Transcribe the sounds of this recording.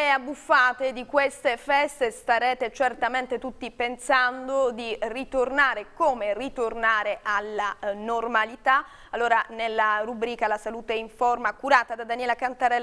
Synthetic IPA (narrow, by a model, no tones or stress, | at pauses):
eabːufːaːt̪ed̪ikwest̪efɛst̪est̪aɾɛːt̪et͡ʃert̪ament̪et̪ut̪ːipensand̪od̪irit̪ornaːɾekoːmerit̪ornaːɾeʔalːanormalit̪a | alːoːɾanelːarubɾiːkalasaluːt̪eiɱformakuɾaːt̪ad̪ad̪anjɛːlakant̪aɾɛlː